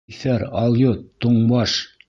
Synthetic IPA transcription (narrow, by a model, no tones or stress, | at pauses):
fæɾɑlˠjot̪ːuɴbɑʃ